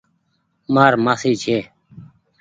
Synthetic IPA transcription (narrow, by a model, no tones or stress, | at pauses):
maːɾmaːsiːt͡ʃʰeː